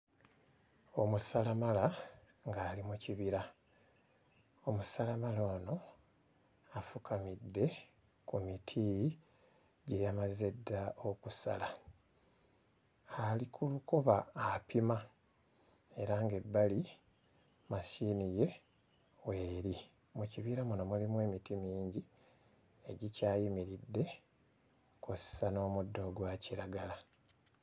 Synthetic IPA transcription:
o̞musalamala | ŋɡaːlimuciβiɾa | o̞musalamalo̞ːno̞ | afukʰamidːe̞ | kumitʰiː | ɟijamaze̞dːaokusala | alikʰulukoβaːpima | e̞ɾaːŋɡe̞bːali | maʃiːnije̞ | we̞ːɾi | muciβiːɾamunamulimwe̞ːmitimiːɲɟi | eɟicaːjimiɾidːe̞ | kossano̞ːmudːo̞ɡwaciɾaɡala

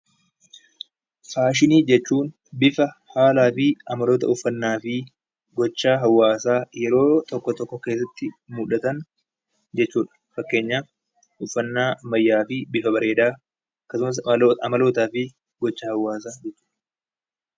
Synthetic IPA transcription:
faːʃ̬ɪniːd͡ʒɛt͡ʃːuːn | bɪfɐhaːlaːfɪɐmɐloːt̪ɐ̰ʊfːɐnːaːfɪ | ɡɔt͡ʃːaːɦɐwːaːsaːjɛɾo̞ːt̪ɔkːɔt̪ɔkːɔke̞ːs̬ːɐt̪ːɪmuᶑɐt̪ɐn | d͡ʒɛt͡ʃːuːᶑɐ̥fɐkːe̞ːɲːaː | ʔʊfːɐnːaːmɐjːaːfɪbɪfɐbɐɾʔe̞ːd̪aː | ɐkːɐsʊmɐs̬ɐmɐlo̞ːt̪aːfɪ | ɡɔt͡ʃːaːhɐwːaːs̬aːd͡ʒɛt͡ʃːu̥ːᶑɐ̥

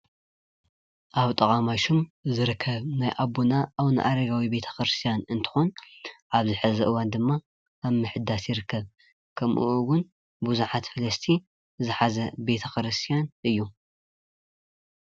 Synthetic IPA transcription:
ʔaβt̪ʼɐkʼamaʃumzɨɾɨkʰːɐβnajʔabunaʔawna̰ʔaɾɐɡawibe̞t̪ʰɐ̥xɨɾɨst̪ʰijanɨnt̪ʰɨ̥xonʕaβzɨħɨzɐʔɨwand̪ɨmːaː | βmɨħɨd̪ːasjɪɾɨkʰːɐβ | kʰɐmʔṵʔwʊn | buzuħat̪fɨlɐst̪ʰi | zɨħazɐbe̞t̪ʰɐxɨɾɨst̪ʰijanʔɨjːu

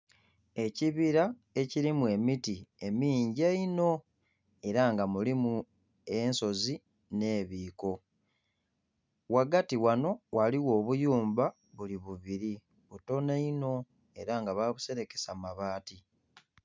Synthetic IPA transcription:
e̞ciβiɾa | e̞ciɾimue̞mitie̞miːɲɟeino̞ | e̞ɾaŋɡamulimu | e̞ːnso̞zi | ne̞ːβiːko̞ | waɡatiwano̞waliwo̞ːβujuːmba | βuliβuβiɾi | βuto̞neino̞ | e̞ɾaŋɡaβaβuse̞ɾe̞kesamaβaːti

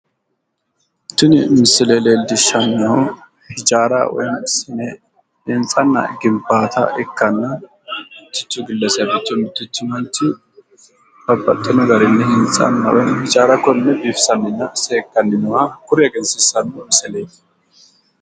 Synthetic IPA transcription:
t̪ːɪnɪmɪsɪleleːld̪ɪʃːɐnːɛɔ | hɪt͡ʃaːɾɐ̰wɔ̰jnsɪnɛ | hɪnt͡sʼɐnːɐ̰ɡɪmbaːt̪ʰɐ̰ʔɛkːɐnːɐ | mɪt̪ːɪt͡ʃːʊɡɪlːɐsɪɐbɪt̪ːʊmɪt̪ːʊtːɪmɐnt͡ʃːɪ | b̥ɐbːɐt̪ʼːɪnɔɡɐɾɪnːɛhɪnt͡sʼɐ̰nːɐ̰wɔ̰jnhɪt͡ʃaːɾɐkɔnːɛbiːfsɐnːɪnːɐseːkːɐnːɪnɔwakʊɾjɐɡɛnsɪsɐnɔmɪsɛleːl

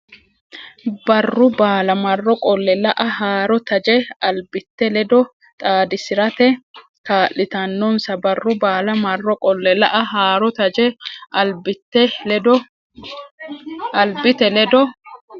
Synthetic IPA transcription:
bɐrːʊbaːlɐmɐrːɔkʼɔlːɛlɐʔɐhaːɾɔt̪ɐd͡ʒɛɐlbɪt̪ːɛlɛd̪ɔ | t̪ʼaːd̪ɪsɪɾɐt̪ɛ | kaːʔːɪt̪ɐnːɔnsɐbɐrːʊbaːlɐmɐrːɔkʼɔlːɛlɐʔɐɦaːɾɔt̪ɐd͡ʒɛɐlbɪt̪ːɛd̪ɔ | ʔɐlbɪt̪ɛlɛd̪ɔ

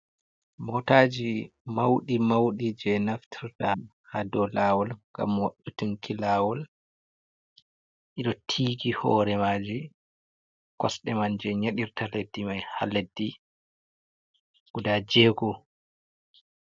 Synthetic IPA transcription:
mɔtaːd͡ʒimawɗimawɗid͡ʒɛnaftʰiɾta | hadɔlaːwɔlŋɡa̰mwa̰ɗːutiŋkilaːwɔl | ʔiɗɔtʰiːɡihɔ̰ːɾɛmaːd͡ʒi | kɔsɗɛmand͡ʒɛɲaɗiɾtʰaledːimajha̰ledːi | ɡ̥udad͡ʒɛːɡɔ

